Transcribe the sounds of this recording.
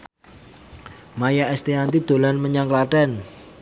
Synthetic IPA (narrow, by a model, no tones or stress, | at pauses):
majaʔɛst̪eant̪id̪̥o̤lanməɲaŋklaʈɛn